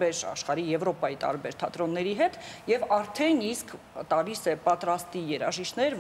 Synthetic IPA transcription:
bɛɾɑ̰ʃχɑɾijɛvɾɔpɑjit̪ɑ̰ɾbɛɾt̪ʰɑt̪ɾɔnːɛɾiɦɛt̪jɛvɑɾt̪ʰɛniskʰt̪ɑlisɛpɑt̪ɾɑst̪ijɛɾɑ̰ʒiʃt̪ʰnɛɾv

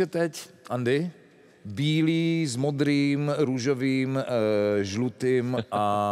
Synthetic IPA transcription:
ɛt̪ɛcand̪ɪ | biːliːzmɔd̪ɾiːmɾuʒɔʋiːm | ʒlut̪ima

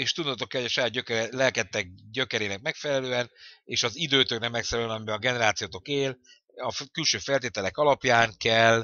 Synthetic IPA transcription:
eːʃt̪ud̪t̪o̞kːɛlhoɟɒʃɒjaːd̪̚ɟøkɛɾɛlɛlkɛt̪ːɛɡ̚ɟø̞kɛɾeːnɛk̚mɛkfɛlɛløːɛneːʃɒzid̪øːt̪øknɛmːɛksɛɾɛlønɒmibɛɒɡɛnɛɾaːt̪sijoːt̪o̞keːl | ɒkylʃøːfɛlt̪eːt̪ɛlɛkɒlɒpjaːŋkɛl

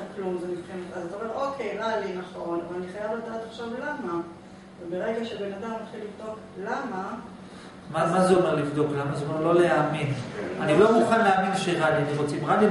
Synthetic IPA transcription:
klumzemivχenot̪azeomeʁʔo̞kʰe̞jʁalinaχo̞navalaniχajavlad̪at̪aχʃovlama | vebe̞ʁe̞ɡaʃebe̞nad̪amat̪χilivd̪o̞k | lama | mamazeo̞me̞ʁlivd̪o̞klamazeomeʁlo̞leaminanilomuχanleaminʃeʁalianiʁot͡simʁali

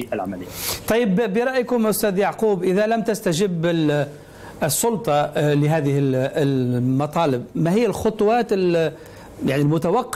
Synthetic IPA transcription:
ʔalʕamælɪjːt̪ˤɑjːɪbːɪɾˤɑʔjkʊmʔʊst̪æːd̪jaʕquːbʔɪðalamt̪ɪst̪aʒɪbːɪ | sˤːʊlt̪ˤɑlɪɦæːðɪhɪllmɑt̪ˤɑːlɪbmaɦɪjːalxʊt̪ˤʊwɑːt̪ɪl | jaʕnilmʊt̪awɑqː

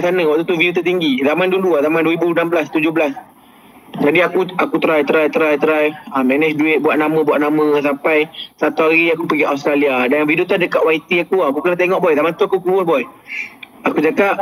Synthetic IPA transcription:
sanəwaʔt̪ut̪uvidut̪əʔt̪iŋɡizamanduaduazamanduəibunambəlast̪ud͡ʒʊɦbəlas | d͡ʒadiakuakut̪ɾajt̪əɾajt̪əɾajt̪əɾajəmɛnɛsduɪt̪̚buaʔ̚namə̃buaʔnamə̃s̬ampajsat̪uaɣiakupəɡiaws̬t̪ɾaliadanvidut̪adəkaʔwait̪iakuaakukənat̪eŋɔʔbɔjzamant̪uakukluwʊnbɔj | akud͡ʒakaʔ

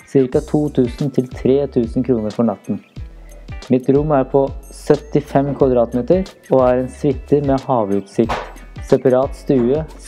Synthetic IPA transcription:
sɪɾkɑt̪ʰuːt̪ʰʉːsn̩t̪ʰɪlt̪ʰɾeːt̪ʰʉːsn̩kʰɾuːnəɾfɔɳɑt̪ːn̩ | mɪt̪ɾʊmːæːɾpʰɔsœt̪ɪfɛmkʰʋɑd̪ɾɑːt̪meːt̪əɾ | oːæːɾɛnsʋɪt̪ʰːəmeːhɑːʋʉːt̪sɪkt̪ | sɛpɑɾɑːt̪st̪ʉːə

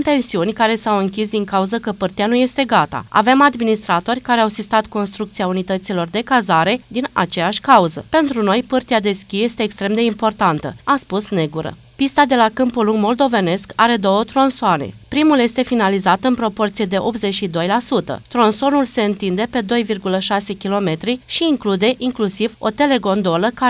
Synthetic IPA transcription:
mpe̞nsiunʲkaɾe̞sawɨŋkʲis̬d̪iŋkauzəkəpɨrt̪ianuje̞st̪e̞ɡat̪a̰a̰ve̞mad̪minist̪ɾat̪o̞rʲkaɾeawsist̪at̪ko̞nst̪ɾuk̚t̪siaunit̪ət̪silo̞rd̪e̞kazaɾe̞d̪ina̰t͡ʃe̞jaʃʲkauzəpe̞nt̪ɾuno̞jpɨrt̪iad̪e̞skʲije̞st̪e̞ːkst̪ɾe̞md̪e̞impo̞rt̪ant̪ə̰aspusne̞ɡuɾə̰ | pist̪ad̪e̞lakɨmpuluŋɡmo̞ld̪o̞ve̞ne̞skaɾe̞d̪o̞wət̪ɾo̞nsoane̞̰pɾimuljest̪e̞finalizat̪ɨnpɾo̞po̞rt̪sije̞d̪e̞ʔo̞p̪ze̞t͡ʃʲʃid̪o̞jlasut̪ə̰t̪ɾo̞nso̞nulse̞ɨnt̪ind̪e̞pe̞d̪o̞jvirɡuləʃase̞kʲilo̞me̞t̪ɾiʃiːŋklud̪e̞ʔiŋklusivo̞̰t̪e̞le̞ɡo̞nd̪o̞ləka

